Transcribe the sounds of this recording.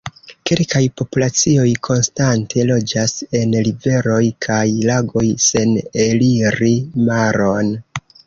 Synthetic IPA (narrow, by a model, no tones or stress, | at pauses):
ke̞lkajpo̞pulat͡sio̞jkʰo̞nstantʰe̞lo̞d͡ʒase̞nlive̞ɾo̞jkʰajlaɡo̞jse̞neliɾimaɾo̞n